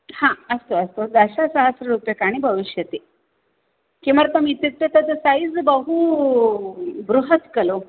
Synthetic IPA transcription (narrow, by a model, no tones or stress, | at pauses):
hãəst̪oəst̪od̪əɕasəɦəsɾəɾupjekaɽ̃ibʱəʋiɕjət̪e | keməɾt̪əmit̪jət̪ːət̪ət̪əsaid͡zbəɦu | bɾuɦət̪kəlo